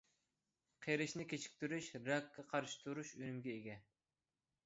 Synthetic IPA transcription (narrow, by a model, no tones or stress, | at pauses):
qʰeɾɪʃnɪkʲet͡ʃʰi̥kʲt̪yɾyʃɾɑkːɑqʰɑɾʃi̥t̪ʰuɾuʃønymɡʲɛeɡʲɛ